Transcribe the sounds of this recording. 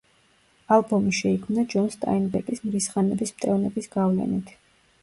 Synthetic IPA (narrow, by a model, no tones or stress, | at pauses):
alˠbɔmiʃɛikʰmnad͡ʒɔnst̪ʼa̰inbɛkʼismɾisχanɛbismt̪ʼɛvnɛbisɡ̥avlɛ̰nit̪ʰ